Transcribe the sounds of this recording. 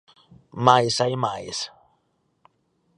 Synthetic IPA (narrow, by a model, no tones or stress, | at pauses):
majsajmajs